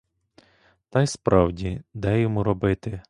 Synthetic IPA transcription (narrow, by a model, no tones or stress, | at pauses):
t̪ɑjspɾʔɑwdʲid̪ɛjɔmuɾɔbɪt̪ɪ